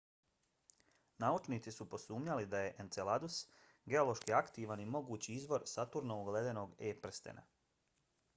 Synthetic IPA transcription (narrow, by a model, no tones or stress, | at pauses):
naut͡ʃniːt̪sisupo̞suːmɲalid̪aje̞ʔent̪selad̪us | ɡe̞o̞lo̞ʃkiakt̪iːʋanimo̞ɡuːt͡ɕiizʋo̞ɾsat̪uɾnouɡleːd̪e̞no̞ɡeːpɾ̩st̪ḛnʔa̰